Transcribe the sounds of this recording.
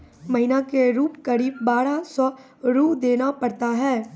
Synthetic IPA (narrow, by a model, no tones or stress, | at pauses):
mɐɦɪnakeɾuːpkɐɾiːb̚ːaːɾasɔː | ɾuːpd̪eːnapɐɾt̪aɦɛː